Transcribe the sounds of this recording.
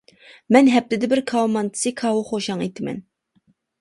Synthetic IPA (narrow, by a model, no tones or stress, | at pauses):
mɛnɦɛp̚t̪ɪd̪ɪbɪɾkʰɑwmɑnt̪ʰɨ̥sɨkʰɑwʊχoʃɑŋet̪ʰɪmɛ̰n